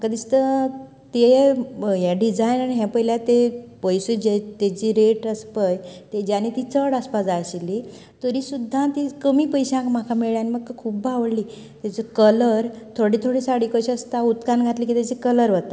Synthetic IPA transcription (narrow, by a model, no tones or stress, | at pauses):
məkad̪ist̪ə | t̪eɦjaɖid͡zajnaniɦɛ̃pəjljat̪epəjsəd͡ʑet̪et͡ɕiːɾeʈəspəjt̪ed͡ʑjanit̪it͡səɽaspad͡zajɕili | t̪əɾiːsud̪ʱːãt̪ikəmiːpəjɕãkmakʰameɭjaniməɡkakʰuːb̚bʱaʋɽliː | t̪jat͡səkələɾt̪ʰoɽit̪ʰoɽisaɽiːkəɕiəst̪aut̪kanɡʱat̪liːk̬it̪jat͡ɕikələɾʋət̪a